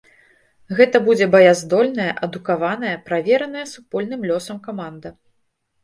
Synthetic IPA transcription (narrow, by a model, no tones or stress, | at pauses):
ɣɛt̪ɐbud͡zʲɛbɐjazd̪ɔlʲnɐjɐʔɐd̪ukavanɐjɐpɾavʲɛɾɐnɐjɐsupɔlʲnɨmlʲɔsɐmkamand̪ɐ